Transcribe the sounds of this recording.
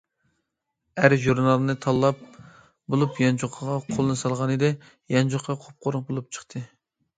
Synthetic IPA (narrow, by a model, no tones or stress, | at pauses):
æɾʒuɾnɑlˠɨnɨt̪ʰɑlˠːɑp̚ | bolˠupjɑnd͡ʒoqʰɑʁɑqʰolˠɨnɨsɑlˠʁɑnɨd̪ɨ | jɑnd͡ʒoqʰːɑqʰop̚qʰoɾʊɴbolˠup̚t͡ʃʰə̥χt̪ʰɨ